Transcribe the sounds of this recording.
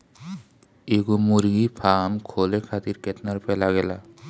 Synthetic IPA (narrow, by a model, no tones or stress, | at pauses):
eɡumuɾɡipʰamkʰolekʰat̪iɾkɛt̪naɾpɛlaɡɛla